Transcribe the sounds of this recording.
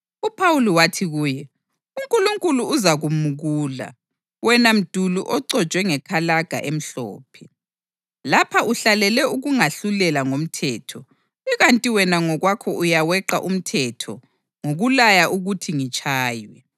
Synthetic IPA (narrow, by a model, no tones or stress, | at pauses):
upʰawuliwatʰiɣuːjɛ | uŋkʼuluŋkʼuluːzaɣumuɣuːla̰ | wɛnam̩d̥ʱuluʔɔǀɔ̥t͡ʃwɛŋɛkʰalaɡ̥ʱa̰ʔem̩ɬɔ̰ːpʰɛ | lapʰaʔuɬalɛlɛuɣuŋaɬulɛlaŋom̩tʰɛːtʰɔ | iɣantʼiwɛnaŋɔɣwakʰɔʔujawɛǃa̰ʔum̩tʰɛtʰɔ̰ | ŋoɣulajaʔuɣutʰiŋit͡ʃʼʰaːjwɛ